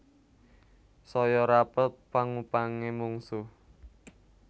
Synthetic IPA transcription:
sɔjɔɾapət̪̚paŋupaŋemuŋsu

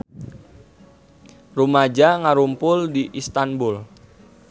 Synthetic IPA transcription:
rumad͡ʒaŋaɾumpʊldiʔist̪anbʊl

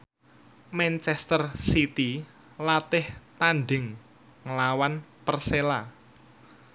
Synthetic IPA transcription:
mɛnt͡ʃɛst̪ərsit̪i | lat̪ɪht̪anɖɪŋ | ŋəlawanpərsela

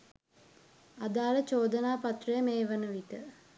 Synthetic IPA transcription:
ad̪aːlət͡ʃoːd̪ənaːpat̪rəjəmeːʋənəʋit̪ə

